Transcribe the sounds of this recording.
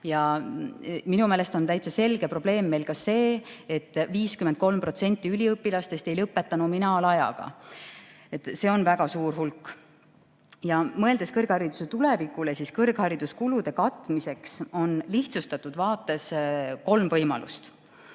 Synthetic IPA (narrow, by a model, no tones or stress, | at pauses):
jɑ | minumeːle̞st̪o̞nt̪æjt̪sɑse̞lɡ̥epro̞b̥le̞ːmːe̞jlkɑse̞ːet̪ːˑviːskyment̪̚ko̞lmpro̞t̪se̞nʲt̪ʲːˑiylʲiɤpːilɑst̪e̞st̪e̞jlɤpːe̞t̪ːˑɑnuminɑlɑjɑ̰ɡ̥ɑ̰ | e̞t̪ːˑse̞ːo̞nvæɡ̥ɑsuːrhulkː | jɑmɤe̞ld̪e̞skɤrɡ̥hɑɾid̪̥use̞t̪ule̞vikˑulesiskɤrɡ̥hɑɾid̪̥uskulud̪̥e̞kɑt̪ˑːmise̞kso̞nliht̪sust̪ɑt̪ːˑud̪̥vɑːt̪ːˑe̞sko̞lmvɤjmɑ̰lṵst̪